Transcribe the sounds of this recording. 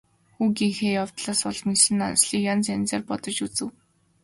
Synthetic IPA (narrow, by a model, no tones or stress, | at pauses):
xuːɡiŋxeːjaw̥t̪ɮaːsʊɮmisɘ̆na̰nsɮiːkjɔnt͡sænt͡seːrpɔt̪ɞ̆t͡ɕut͡sɘ̆w